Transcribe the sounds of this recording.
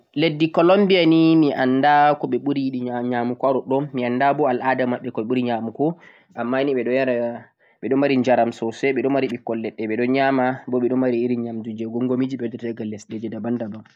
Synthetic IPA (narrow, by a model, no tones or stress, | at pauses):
ledːikɔlombianimiʔandakɔɓɛɓuɾijiɗiɲamukaɾɔɗɔmiandabɔalʔadamaɓːɛkɔɓɛɓuɾiɲamukɔ | ʔamːaniɓɛɗɔjaɾa | ɓɛɗɔmaɾiɲd͡ʒaɾamsɔsɛɓɛɗɔnmaɾiɓikːɔlːɛɗːɛɓɛɗɔɲamabɔɓɛɗɔnmaɾiːɾiɲamdud͡ʒɛɡɔŋɡomid͡ʒiɓɛdɛtɛɡalːɛsded͡ʒɛdabandabam